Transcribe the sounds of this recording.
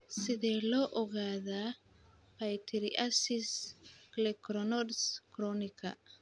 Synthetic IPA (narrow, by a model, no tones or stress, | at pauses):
sɪðɛlɔːʔɔɣaːðaː | pajt̪ʰiɾiʔasisklɛkɾɔnɔdskɾɔnikʰa̰